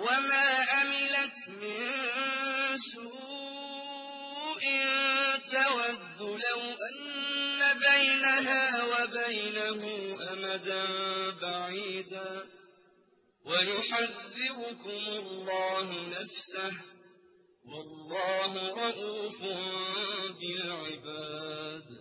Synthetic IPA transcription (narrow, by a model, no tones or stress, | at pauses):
wamaːʔamɪlat̪ | mɪn | suː | ʔɪnt̪awad̪ːʊlahʔanːabajnaɦaːwabajnahʊːʔamad̪anbaʕiːd̪aː | wajʊħaðːɪbʊkʊmʊlːɑːɦʊnafsah | wɑlːɑːɦʊɾɑʔuːfʊ | bɪlʕɪbaːd̪